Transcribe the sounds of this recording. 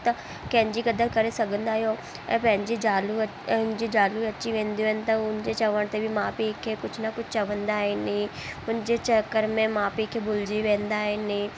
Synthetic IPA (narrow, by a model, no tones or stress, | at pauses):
t̪a | kɛ̃ːɲd͡ʒiɡəd̪əlkəɾesɐɡə̃nd̪aːɦeoː | ɛ̰̃pɛ̃ːnd͡ʒid͡ʒaːlu | nd͡ʒid͡ʒaːluɐtːʃʰiʋẽːnd̪iõɦɛnt̪ãʊnd͡ʒet͡ʃəʋəɽ̃t̪ebʱimãːpikʰːekʊt͡ʃʰnakʊt͡ʃʰt͡ʃəʋənd̪aɦeniʊnd͡ʒet͡ʃəkːəɾmẽmãːpikʰːebʊld͡ʒiʋẽːnd̪aːɦenĩː